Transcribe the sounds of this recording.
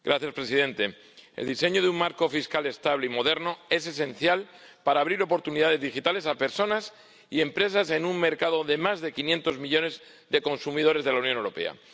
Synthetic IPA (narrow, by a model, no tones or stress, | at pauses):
ɡ̥ɾaθjaspɾe̞sið̞e̞nt̪e̞ | ḛld̪ise̞ɲoðeuŋmaɾko̞fiskale̞st̪aβle̞imo̞ð̞e̞ɾno̞e̞s̬e̞sẽ̞nθjal | paɾaːβ̞ɾiɾo̞po̞ɾt̪uniðaðe̞zðixit̪ale̞sape̞ɾso̞nas | ie̞mpɾe̞sase̞numme̞ɾkað̞o̞ðe̞mazðe̞kinje̞nt̪o̞zmiʎo̞ne̞z | ðe̞ko̞nsumiðo̞ɾe̞zðe̞lawnjonewɾo̞pe̞̰a̰